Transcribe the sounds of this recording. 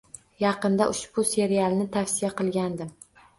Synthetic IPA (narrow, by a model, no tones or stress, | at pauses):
jɑqɨnd̪aʔʊʃbʊse̞ɾijalˠnɪt̪ʰafsɪjaqɨlˠɡʲand̪ɪm